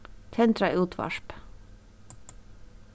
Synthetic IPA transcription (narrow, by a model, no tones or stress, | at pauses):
t̪ʰɛnt̪ɾɑɪuːt̪ʰʋɑ̰ʃp